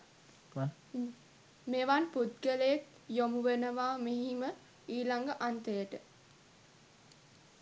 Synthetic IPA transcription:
meʋanput̪̚ɡələjek̚ | jomuʋenəʋaːmeɦimə | iːlaŋɡəʔant̪əjəʈə

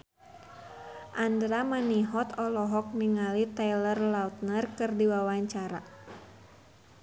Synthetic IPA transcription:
ʔandɾamaniɦɔt̪ɔlɔɦɔk̚niŋalit̪ajlərlaut̪̚nərkɨrdiwawaɲt͡ʃaɾa̰

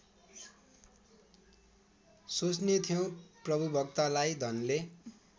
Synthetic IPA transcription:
sot͡snet̪ʰijʌw̃prʌbʱubʱʌkt̪alajd̪ʱʌnle

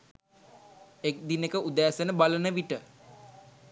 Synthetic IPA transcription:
ek̚d̪inekəʔud̪æːsənəbalənəʋiʈə

